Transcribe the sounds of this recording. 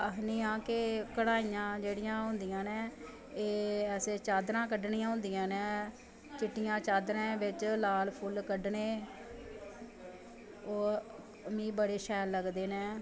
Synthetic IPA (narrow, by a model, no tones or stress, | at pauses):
əɦniːãːkekəɽaːijãːd͡ʒeːɽɪjãːɦʊ̃nd̪ijãːnẽː | eːɛːseːt͡ʃaːd̪ɾãːk̬əɖɳĩjãːɦʊ̃ːnd̪ijãːnɛ̃ː | t͡ʃɪʈːɪjãːt͡ʃaːd̪ɾẽːʋɪt͡ʃlaːlpʰʊlkəɖneː | oː | mĩːbəɽeːʃɛːlːəɡd̪eːnɛː